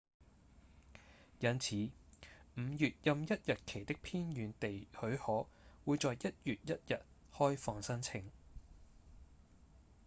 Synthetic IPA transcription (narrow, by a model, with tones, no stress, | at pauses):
jɐ˨˧nt͡sʰiː˨˥m̩˨˧jyː˨t̚jɐ˨˧mjɐ˥t̚jɐ˨t̚kʰe˨˩jt̪ɪ˥k̚pʰiː˥njyː˨˧nt̪e˨jhɵ˨˥ɥhɔː˨˥wuː˨˧jt͡sɔː˨jjɐ˥t̚jyː˨t̚jɐ˥t̚jɐ˨t̚ | hɔː˥jfɔː˧ŋsɐ˥nt͡sʰɪ˨˧ŋ